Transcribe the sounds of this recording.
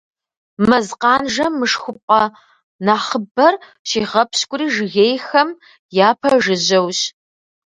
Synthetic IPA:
mɐzqɑːnʒɐmmːɨʂxʷʊpʷʼɐ | naːχəbɐr | ɕiːʁɐpʰɕkʷʼʊriːʒɨɣeːjxɐm | jaːpʰɐʐɨʑɐwɕ

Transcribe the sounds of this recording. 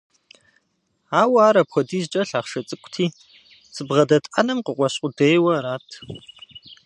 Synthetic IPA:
aːwaːɾɐpʷʰɔdiːzt͡ʃʼɐɬaːχʂɐt͡sʼɨkʷʰʼtʰiː | t͡sʼɨbʁɐdɐtʼʔɐ̰nɐmqəqʷʼɔɕʼʷʊdejwɐɾaːtʰ

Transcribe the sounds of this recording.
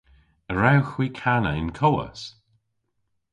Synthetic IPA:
əɹawxwiːkʰanə̰ɪnkʰɔwə̰s

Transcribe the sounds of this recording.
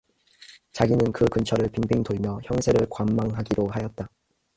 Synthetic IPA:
t͡ɕaɡinɯnkɯkɯnt͡ɕʰʌɾɯɭpinbiŋtoɭmjʌçjʌŋsʰe̞ɾɯɭkwamːaŋɦaɡiɾohajʌt̚t͈a

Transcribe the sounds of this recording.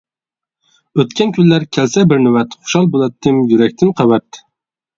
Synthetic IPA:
øt̪kʲɛnkʲʰylːæɾkʲʰɛlsɛbɪɾnɪwɛt̪χʊ̥ʃɑlˠbolˠɛt̪ʰːɪmjyɾɛk̚ʲt̪ʰɪnqʰɑwɛt̪ː

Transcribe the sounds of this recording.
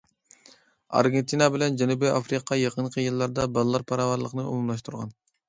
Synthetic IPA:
ɑ̰ɾɡʲent̪ʰinɑbɪlɛnd͡ʒɛnubiʔɑfɾiqʰɑjeqʰənqʰəjɨlˠːɑɾd̪ɑbɑlˠɨlˠɑɾpʰɑɾɑvɑɾlˠəqnɨṵmumlˠɑʃ̬t̪ʰuɾʁɑ̰n

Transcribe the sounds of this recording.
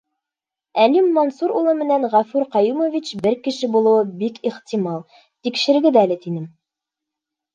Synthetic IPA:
ælimːɑnsuɾulˠɤmɘ̆nænʁæfʉɾqɑjumovʲit͡ɕbɘɾkɘ̆ʃɘbulˠɤ̆wɤbikiχt̪ʲimɑlˠ | t̪ikʃɘ̆ɾɡɘðæælɘt̪inɘm

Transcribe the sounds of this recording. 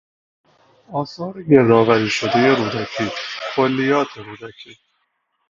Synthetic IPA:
ɒːsɒːɾeɟe̞ɾɒːvæɾiːʃo̞d̪e̞je̞ɾuːd̪æcʰiːkʰolːijɒːt̪ʰeɾuːd̪æcʰiː

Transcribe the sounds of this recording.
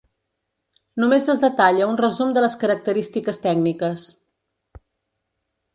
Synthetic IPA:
numezəzðət̪aʎəunrəzumd̪ələskəɾək̚t̪əɾist̪ikəst̪ɛɡnikəs

